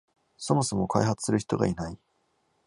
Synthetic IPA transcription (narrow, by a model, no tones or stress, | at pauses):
so̞mo̞so̞mo̞kʰa̰iɦat͡sɨ̥sɨɾɯ̟çi̥t̪o̞ɡa̰inai